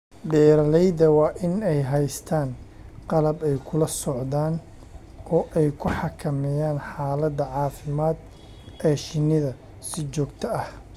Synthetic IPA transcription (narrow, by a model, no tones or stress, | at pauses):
ɖɛːɾɐlɛjd̪ɐwɑːʔɪnɛjɦɛjst̪ʰaːn | qɑlɐbɛjkʰʊlɐsɔʕðaːn | ɔːʔɛjkʰʊħɑkʰɐmɛjaːnħaːlɐd̪ːɐʕɑːfɪmaːd̪ | ɛːʃɪnɪðɐ | sɪt͡ʃɔːɡt̪ʰɐɐh